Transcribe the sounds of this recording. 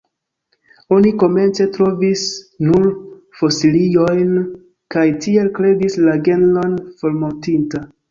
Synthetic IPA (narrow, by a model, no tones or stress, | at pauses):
o̞niko̞me̞nt͡se̞tɾo̞vis | nuɾ | fo̞silio̞jn | kajtie̞lkɾe̞dislaɡe̞nlonfo̞ɾmontinta